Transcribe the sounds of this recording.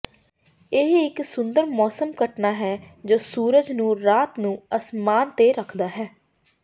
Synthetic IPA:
ɪɦɪksʊnd̪əɾmɔːsəmkəʈnaːɦɛːd͡ʒoːsuːɾəd͡ʒnũːɾaːt̪nũːəsmaːnt̪eːɾəkʰd̪aːɦɛː

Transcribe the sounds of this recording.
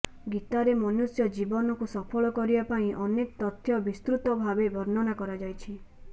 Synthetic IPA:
ɡit̪aɾemɔnusjɔd͡ʒibɔnɔkusɔpʰɔɭɔkɔɾibapaĩʔɔnekɔt̪ɔt̪ʰjɔbist̪ɾut̪ɔbʱabebʱɔɾnɔnakɔɾad͡ʒajt͡ʃʰi

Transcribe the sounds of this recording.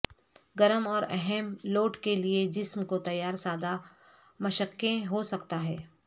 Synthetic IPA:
ɡɐɾəmɔːɾɛ̰ɦɛmloːʈkelied͡ʒɪsmkot̪ɐjːaːɾsaːd̪a | mɐʃəkːẽɦosɐkt̪aɦɛː

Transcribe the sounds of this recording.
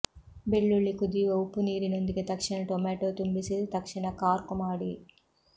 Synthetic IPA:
be̞ɭːuɭːikud̪iʋɐwpːuniːɾinond̪ikit̪ɐkʂinɐʈomɛːʈoːt̪umbisit̪ɐkʂiɳɐkaːɾkumaːɽi

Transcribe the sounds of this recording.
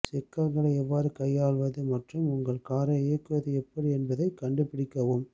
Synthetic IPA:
sɛkːɐlɣɐɭɐɪɛʋːaːɾɯkɐjːaːɭʋɐðɯmɐʈrɯmʊŋɡɐɭkaːɾɐeːkːɯʋɐðɯɛpːɐɽiɛnbɐðɐɪkɐɳɖɯpɪɽɪkːɐʋɯm

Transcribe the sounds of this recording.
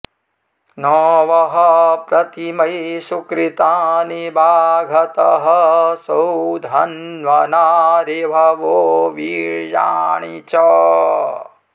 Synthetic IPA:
nɔːʋɐɦɐpɾɐt̪imɐjsukɾit̪aːnibʱaːɡʱɐt̪ɐɦɐsɐwd̪ʱɐnʋɐnaːɾebʱɐʋoːʋiɾja̰ːɳit͡ʃɔː

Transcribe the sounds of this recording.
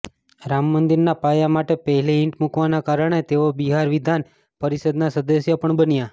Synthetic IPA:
ɾamːənd̪iɾnapajamaʈepəɦɛleɪɳʈmukʋanakaɾəɽ̃et̪eʋobiɦaɾʋid̪ʱan | pəɾisəd̪nasəd̪əsjəpəɳbənja

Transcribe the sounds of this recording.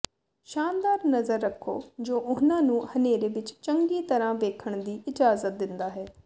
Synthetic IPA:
ʃaːnd̪aːɾnəzəɾːəkʰːo̰ːd͡ʒoːʔʊnãːnũːhəneːɾeːʋɪt͡ʃt͡ʃəŋɡiːt̪əɾãːʋeːkʰəɳ̃d̪iːɪd͡ʒaːzət̪̚d̪ɪnd̪aːɦɛː

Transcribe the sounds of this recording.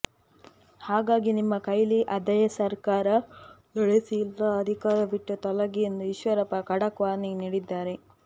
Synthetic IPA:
haːɡaːɡinimːɐkɐjliʔɐd̪ɐjɐsɐɾkaːɾɐlɔɭesilːɐːd̪ʱikaːɾɐʋiʈːut̪ɔlɐɡijend̪uiʃʋɐɾɐpɐkɐɽɐkʋaːɾniniːɽid̪ːaːɾe̞

